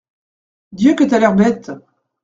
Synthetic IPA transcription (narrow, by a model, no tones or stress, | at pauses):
d̪jøkət̪yalœʁbɛt̪